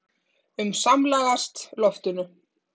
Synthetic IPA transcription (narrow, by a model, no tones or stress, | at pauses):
ʏmsamlaːɣast̪lɔft̪ʏnʏ